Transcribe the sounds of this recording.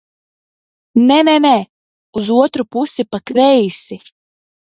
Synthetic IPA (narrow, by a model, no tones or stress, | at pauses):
nɛnɛnɛ | uzuɔt̪ɾupusipakɾɛjisi